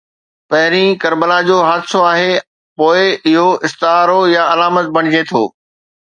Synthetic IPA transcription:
pɐɦɪɾĩkɐɾbəlad͡ʑoːɦaːd̪soaːɦe | poːɪɪɦoɪst̪ɪɦaːɾojaɐlaːmət̪̚bɐɽ̃ɪd͡ʑet̪ʰo̰ː

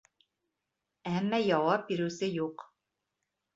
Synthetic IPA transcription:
æmːæjɑwɑp̚biɾʉwsɘjuq

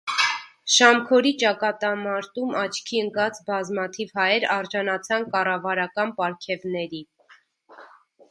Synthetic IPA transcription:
ʃɑmkʰɔɾit͡ʃɑkɑt̪ɑmɑɾt̪umɑt͡ʃʰkʰiəŋkɑt͡sbɑzmɑt̪ʰivhɑjɛɾɑɾʒɑnɑt͡sʰɑnkɑrɑvɑɾɑkɑnpɑɾkʰɛvnɛɾi

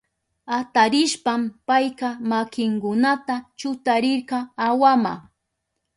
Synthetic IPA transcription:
at̪aɾɪʃpampajqɑmakɪŋkʊnat̪at͡ʃʊt̪aɾɪɾqɑawama̰

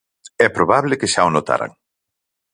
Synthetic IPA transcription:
ɛpɾoβaβlekeʃaonot̪a̰ɾa̰ŋ

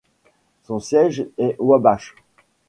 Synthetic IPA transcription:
sɔ̃sjɛʒɛʔwabaʃ

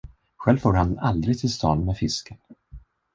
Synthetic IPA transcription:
ɧɛlvfoːɾhanald̪ɾɪɡ̚t̪ʰɪlst̪ʰɑ̰ːnmɛfɪskən

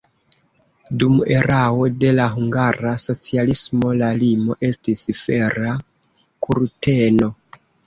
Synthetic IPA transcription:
dume̞ɾawo̞de̞laɦuŋɡaɾaso̞t͡sialismo̞lalimo̞ʔe̞stisfe̞ɾa | kʰuɾte̞no̞

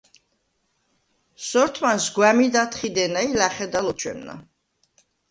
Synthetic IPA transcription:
sɔɾt̪ʰmansɡwamid̪at̪ʰχid̪ɛnailaχɛd̪alɔt͡ʃʰwɛ̰mna̰

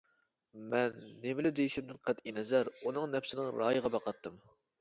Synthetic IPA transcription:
mɛnːemɪlɪd̪ejiʃimd̪ɪnqʰæt̪inɛzæɾunɨŋnɛpsɪnɪŋɾɑ̰ːjəʁɑbɑqʰɑt̪ʰːɨm

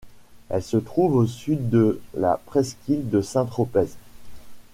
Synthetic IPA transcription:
ɛlsət̪χuvosɥit̪̚d̪əla̰pχɛskʲild̪əsɛ̃t̪χɔpɛz

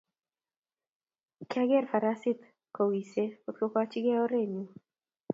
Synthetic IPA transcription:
kaɡɛrfaɾasɪt̪ | kowiseot̪̚kokat͡ʃɪɡɛoɾeɲu

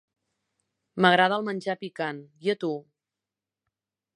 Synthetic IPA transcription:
məɣɾaðəlˠmənʲd͡ʒapikanjət̪u

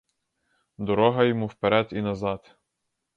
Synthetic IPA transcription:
d̪ɔɾɔɦɐjɔmuwpeɾɛd̪inɐzɑt̪

